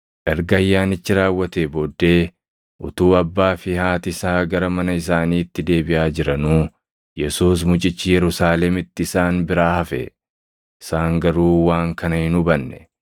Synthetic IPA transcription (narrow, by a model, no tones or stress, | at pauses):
ʔɛɾɡɐjːaːnɪt͡ʃːɪɾaːwːɐt̪ebo̞ːd̪ːe̞ː | ʔʊt̪uːɐbːaːfɪhaːt̪ɪsaːɡɐɾɐmɐnɐɪs̬aːniːt̪ːɪd̪e̞ːbɪʔaːd͡ʒɪɾɐnuː | jɛsuːs̬mʊt͡ʃʼɪt͡ʃːɪjɛɾʊsaːlɛmɪt̪ːɪɪsaːnbɪɾaːhɐfɛ̰ | ɪsaːŋɡɐɾuːwaːŋkɐnɐhɪnʊbɐnːɛ̥